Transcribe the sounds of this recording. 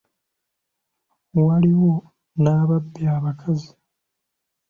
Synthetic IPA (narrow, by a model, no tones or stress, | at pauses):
waliwo̞ | naːβabːjaːβakʰazi